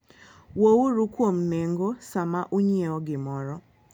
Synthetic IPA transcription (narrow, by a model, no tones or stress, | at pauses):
wowuɾukwomneŋɡosamaʔuɲieɔɡɪmɔɾɔ